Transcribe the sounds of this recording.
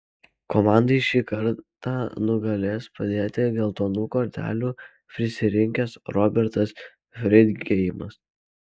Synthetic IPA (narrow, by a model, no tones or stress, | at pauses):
kɔmɑˑnd̪ɐɪʃʲiːkɐɾt̪ɑːnʊɡɐlʲeːspɐd̪ʲeːt̪ʲɪɡʲɛlˠt̪oːnuːkoːɾʲt̪ʲæ̰ːlʲuː | pʲɾʲɪsʲɪɾʲɪŋʲkʲɛsɾɔbʲɛɾt̪ɐs | fʲɾʲɪd̪ʲɡʲɛjɪmɐs